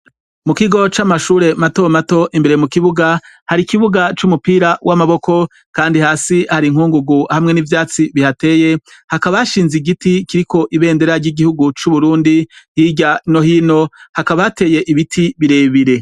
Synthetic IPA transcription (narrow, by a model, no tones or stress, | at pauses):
mukiɡo̞t͡ʃamaʃuːɾe̞matomato̞ʔimbeɾemukiβuɡa | haɾikiβuɡat͡ʃumupiːɾawamaβo̞ko̞ | kaːndihaːsihaɾiŋ̥huːŋɡuɡuhamŋe̞nivjaːt͡siβihate̞ːje̞hakaβaʃiːnziɡitikiɾikʰo̞ʔiβe̞ːnde̞ɾaɾɟiɡihuɡut͡ʃuβuɾuːndihiɟano̞hiːno̞hakaβaate̞ːje̞ʔiβitʰiβiɾe̞ːβiɾe̞